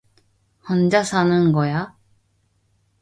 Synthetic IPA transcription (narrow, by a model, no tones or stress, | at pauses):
hʌnd͡ʑasʰanɯnɡʌja